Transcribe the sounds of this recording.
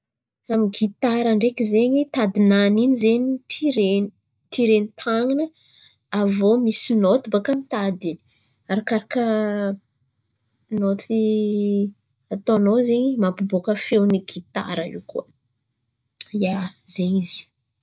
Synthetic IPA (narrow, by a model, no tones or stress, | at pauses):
amiɡit̪aɾaɳɖ͡ʐekizeɲit̪ad̪inaninizeɲit̪ʰiɾen | t̪ʰiɾenit̪ʰaŋinə | avomisinot̪ibakamit̪ad̪ini̥ | aɾakaɾakə | not̪i | at̪onozeɲimapubokəfewniɡit̪a̰ɾəḭwkuə | jaz̥eɲizi̥